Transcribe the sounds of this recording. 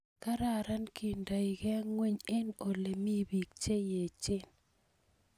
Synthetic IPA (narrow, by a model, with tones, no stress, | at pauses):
ka˦ɾa˦˨ɾa˦nki˨nda˨i˨ɡɛ˦a˦ŋwe˦ɲe˦no˨le˨mi˦˨bi˨k̚t͡ʃe˦je˨t͡ʃɪ˦˨n